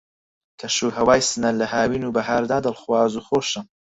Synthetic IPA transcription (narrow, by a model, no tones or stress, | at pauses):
kʰɐʃuːhɐwaːjsɨnɐlɐhaːwiːnuːbɐɦaːɾd̪aːd̪ɨlˠxwaːzuːxoːʃɨm